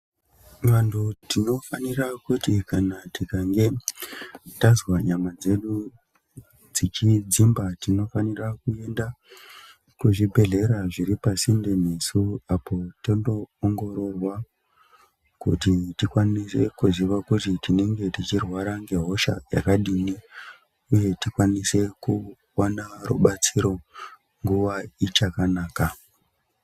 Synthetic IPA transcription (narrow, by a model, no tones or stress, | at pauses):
ʋantʰutino̞fanirakutikanatikaŋɡe̞ | tazwaɲamad͡ze̞ɗu | d͡zit͡ʃid͡zimbatino̞fanirakue̞nda | kuʐibʱe̞ɮe̞ɾaʐiɾipasindemisuapo̞tondo̞ːŋɡo̞ɾo̞rwa | kṵtitikwanise̞kuziʋakutitine̞ŋɡe̞tit͡ʃirwaɾaŋɡe̞ɦo̞ʃa̰ja̰kaɗiːni | uje̞tikwanise̞ku | wanarṵɓat͡siɾo̞ | ŋɡuʋait͡ʃakanaːka